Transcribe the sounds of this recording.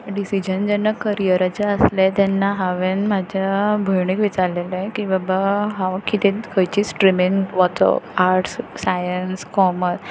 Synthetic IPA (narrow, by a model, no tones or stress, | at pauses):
ɖisid͡ʑənd͡ʑɛnːakəɾijəɾat͡ɕeəslet̪ɛnːaɦaʋenmad͡ʑʱabʱəjɳiːkʋit͡saɾlelẽkĩʋabaɦaʋkːit̪ẽkʰəjt͡ɕiːsʈɾimiŋʋɔt̪o̰aɾʈssajənskɔməs